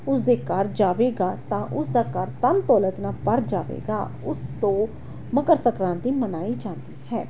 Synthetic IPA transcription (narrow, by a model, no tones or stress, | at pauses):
ʊsd̪eːkəɾd͡ʒaːʋeːɡaːt̪ãːʔʊsd̪aːkəɾt̪ənt̪ɔːlət̪naːpəɾd͡ʒaːʋḛːɡa̰ː | ʊst̪õː | məkəɾsəkɾãːnd̪iːmənaːiːd͡ʒãːnd̪iːhɛː